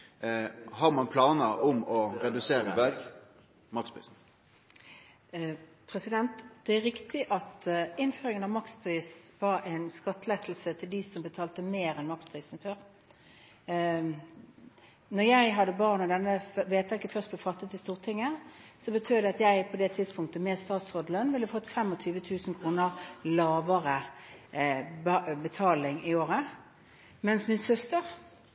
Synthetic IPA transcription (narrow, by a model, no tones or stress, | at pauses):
hɑʁmɑnpʰlɑːnəʔʊmɔɾɛd̪ʉseːɾəbæɾɡ | mɑkspʰɾḭːsn̩ | pʰɾɛsɪd̪ɛnt̪d̪̥ɛæɾɪkt̪ɪʔɑt̪ɪnføːʁɾɪŋənɑʋmɑkspʰʁiːsʋɑɾæɪnskɑt̪ːəlɛt̪ʰl̩sət̪ʰɪld̪ɪsɔmbət̪ʰɑːlt̪əmeːɾɛnmɑkspʰʁiːsn̩føːʁ | nɔjæɪɦɑd̪əbɑʁnɔd̪ɛnːəʋeːt̪ʰɛɪkːəfœʁst̪bɛfɑt̪ːət̪ɪst̪uːʁt̪ʰɪŋːəsɔbət̪ʰyːd̪ɛɑt̪jæɪpʰɔd̪ɛt̪ʰɪd̪spʰʊŋkt̪əmɛːdst̪ɑːt̪sʁoːd̪əlœnʋɪlːəfɔt̪ːfɛmːɔt̪ʰyːʋət̪ʰʉːsnkʰʁuːnəʁlɑːʋəʁə | bbət̪ʰɑːlɪŋɪoːʁə | mɛnsmɪnsœst̪əʁ